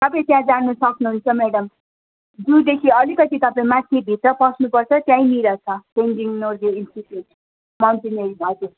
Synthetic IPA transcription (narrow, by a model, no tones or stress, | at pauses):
t̪ʌpãĩt̪jãd͡zanusʌknuɦunt͡sʰʌmeɽʌm | d͡zũd̪ekʰiʌlikʌt̪it̪ʌpãĩmãt̪ʰebʱit̪rʌpʌsnupʌrt͡sʰʌt̪jãĩmiɾʌt͡sʰʌpenɡiŋnorɡeinsʈiʈjuʈ | mawnʈeneɾibʱʌk̪ʰo